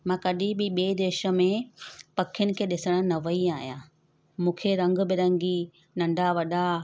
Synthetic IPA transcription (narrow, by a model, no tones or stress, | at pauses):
mãːkɐɗɪbɪɓeːd̪eːʃə̆mẽpɐkʰjʊnɪ̆kʰeːɗɪsəɽ̃ə̆nɐʋəiaːɦijãː | mũːkʰeɾɐ̃ŋɡ̆bɪɾɐ̃ŋɡi | nɐ̃ɳɖʱaʋɐɗa